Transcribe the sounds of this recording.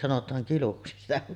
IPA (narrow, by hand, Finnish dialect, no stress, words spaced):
sɑnotˑɑːŋ kiluksi sitæ